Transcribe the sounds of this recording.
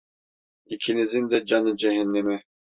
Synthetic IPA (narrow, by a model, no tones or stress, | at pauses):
icʲʰinizind̪ɛd͡ʒanɯd͡ʒɛɦɛnːɛmɛ